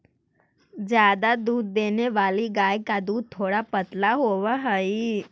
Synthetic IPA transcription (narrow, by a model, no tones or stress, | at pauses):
d͡ʒjaːd̪ad̪uːd̪̚ːeːneʋaːliɡaːjkad̪uːd̪̚t̪ʰːoːɽapət̪laɦoːʋaɦəi